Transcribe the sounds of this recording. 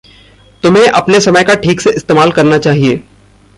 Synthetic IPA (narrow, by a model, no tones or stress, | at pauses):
t̪ʊmɦẽʔɐpnesɐməjkaʈʰiːkseʔɪst̪eːmaːlkɐɾnat͡ʃaːɦieː